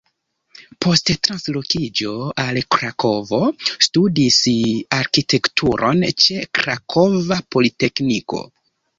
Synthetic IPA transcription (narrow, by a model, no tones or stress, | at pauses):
pʰo̞sttɾanslo̞kid͡ʒo̞alkɾakʰo̞vo̞studisaɾkitʰe̞ktʰuɾʔo̞̰nt͡ʃe̞kɾakʰo̞vapo̞lite̞kniko̞̰